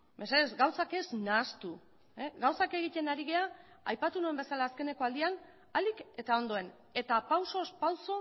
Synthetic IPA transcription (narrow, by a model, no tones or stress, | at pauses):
meseezɡawsake̞znaːst̪u | eɣawsake̞ɣ̞it̪e̞naɾiɣe̞a | ajpat̪unue̞mbe̞salaːske̞ne̞ko̞ald̪ian | alike̞t̪ao̞nd̪o̞e̞n | e̞t̪apawso̞spawso̞